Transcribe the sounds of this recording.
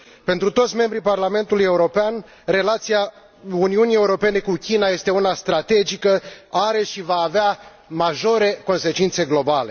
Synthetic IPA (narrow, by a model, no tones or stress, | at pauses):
pe̞nt̪ɾut̪o̞t̪sʲme̞mbɾiparlame̞nt̪uluje̞uɾo̞pean | ɾe̞lat̪sija | uniunije̞uɾo̞pe̞ne̞kukʲinaje̞st̪e̞unast̪ɾat̪e̞d͡ʒikəaɾe̞ʃivaːvea | maʒo̞ɾe̞ko̞nse̞t͡ʃint̪se̞ɡlo̞bale̞